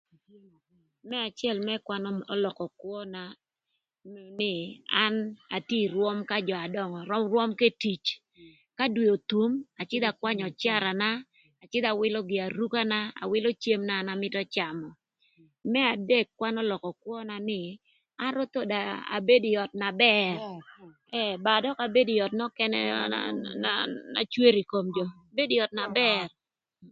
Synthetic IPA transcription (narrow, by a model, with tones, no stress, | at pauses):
mɛ˦a˨t͡ʃjɛ˦˨lmɛ˦kwa˦n˦ɔ˦lɔ˨kɔ˨kwɔ˦na˦ | nɪ˦a˦na˨tji˦ɾwɔ˦mka˦d͡ʒɔ˨a˨dɔ˦ŋɔ˨ɾɔ˦mrwɔ˦mke˦ti˨t͡ʃ | ka˦dwi˨o˨t̪u˦ma˨t͡ʃɪ˦d̪a˨kwa˦ɲɔ˨t͡ʃa˦ɾa˨naː˦˨ | t͡ʃɪ˦d̪a˨wɪ˦lɔ˦ɡɪ˨a˨ɾu˦ka˦na˦a̰˨wɪ˦lo˦t͡ʃe˦mna˦na˨mɪ˦tɔ˦t͡ʃa˨mɔ˨ | mɛ˦a˨de˦˨kːwa˦nɔ˦lɔ˨kɔ˨kwɔ˦na˦nɪ˨ | a˦ɾo˦t̪o˦da˨a̰˨be˦dɪ˨jɔ˨t̚na˨bɛr | ɛ˦˨ba˨dɔ˦ka˨be˦di˨jɔ˨tnɔ˦kɛ˦nɛ̰a̰nana̰˨t͡ʃwe˦ɾi˨ko˨md͡ʒɔ˨ | be˦di˨jɔ˨t̚na˨bɛ˦r